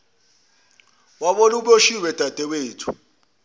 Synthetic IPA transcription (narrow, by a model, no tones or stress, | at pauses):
waɓoluɓoʃiwɛd̥ʱad̥ʱɛweːtʰu̥